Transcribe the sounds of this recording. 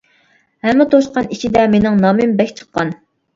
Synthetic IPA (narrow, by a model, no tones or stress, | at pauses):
hɛmːɪt̪ʰoʃqɑniʃid̪ɛmenɪŋnɑːmɪmbɛkʲt͡ʃʰə̥qːɑn